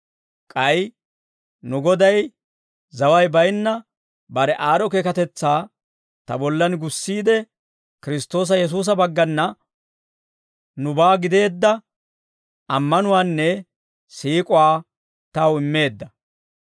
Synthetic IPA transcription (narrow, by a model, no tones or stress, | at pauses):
kʼɐj | nʊɡɔd̪ɐj | zɐwɐjbɐjnːɐ | bɐɾɛʔaːɾɔkeːkɐt̪ɛt͡sːaː | t̪ɐ̰bɔlːɐnɡʊsːiːd̪ɛ | kɪɾɪst̪o̞ːs̬ɐjɛs̬uːs̬ɐbɐɡːɐnːɐ | nʊbaːɡɪd̪e̞ːd̪ːɐ | ɐmːɐnʊwaːnːɛ | siːkʼʊwaː | t̪ɐwɪmːe̞ːd̪ːɐ